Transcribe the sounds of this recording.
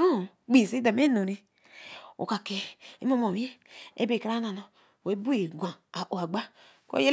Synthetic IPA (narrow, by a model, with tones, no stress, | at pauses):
o˦˨ | ɡ͡bi˦˨se˦da˨m˦e˦no˨ɾi˦ | o̰˨ka˨ke˨ḛ˦mo˦mo˨we˦ḛ˦be˨kɾa˦na˨no˨ | we˨˦bu˦e˨ɡʷã˨a˨ʔo˨a˨ɡ͡ba˦ | ko̰˦je˦l